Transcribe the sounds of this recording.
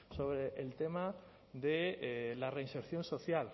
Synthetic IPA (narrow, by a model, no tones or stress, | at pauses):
soβ̞ɾeʔːlt̪ema | ðelareinseɾθjonsoθjal